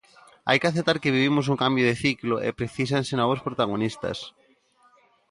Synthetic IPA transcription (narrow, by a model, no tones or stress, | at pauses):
a̰jkeaθep̚t̪aɾkeβiβ̞imʊs̬uŋkambjoðeθikloʔḛpɾeθis̬ansenɔβospɾot̪aɣ̞onist̪ɐ̰s